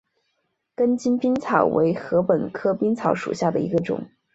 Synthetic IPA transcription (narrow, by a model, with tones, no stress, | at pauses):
kə˥nt͡ɕi˥npi˥nt͡sʰɑ˨˩ʊwḛ˧˥ɪxɤ˧˥pə˨˩nkʰɤ˥pi˥ŋt͡sʰɑ˧˥ʊʂṵ˨˩ɕja˥˩d̪ə˩ḭ˧˥ɡə˧ʈ͡ʂʊ̰˨˩˦ŋ